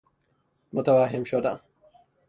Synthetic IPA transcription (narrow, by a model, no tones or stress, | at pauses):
mʊt̪ɐwaːɦɪmʃod̪a̰